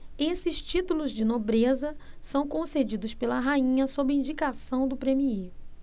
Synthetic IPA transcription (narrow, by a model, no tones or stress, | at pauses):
esɪst͡ʃit̪ulʊzd͡ʒɪnobɾezɐ | sɐ̃w̃kõsed͡ʒid̪ʊspelɐɦaĩɲɐsobɪĩnd͡ʒikasɐ̃w̃d̪ʊpɾẽmii